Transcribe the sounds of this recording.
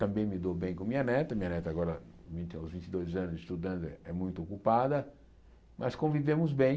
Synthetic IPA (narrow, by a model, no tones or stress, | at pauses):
t̪ɐ̃mbẽj̃mɪd̪obẽj̃kõmĩɲɐnɛt̪ɐmĩɲɐnɛt̪ɐɡɔɾɐ | vĩt̪awzvĩnt͡ʃɪd̪ojzɐ̃nʊzɪst̪ud̪ɐ̃nt̪ɪɛɛmũj̃t̪ʊokupad̪ɐ | mʔɐskõvivẽmʊzbẽj̃